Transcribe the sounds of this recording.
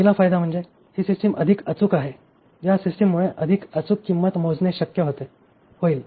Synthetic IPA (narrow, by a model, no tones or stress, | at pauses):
ilafajd̪am̤əɳd͡ze | hiːsisʈəmʔəd̪ʱikət͡sukaɦe | jasisʈəmːuɭeʔəd̪ʱikət͡sukːimːət̪mod͡zneɕəkjəɦot̪e | hoiːl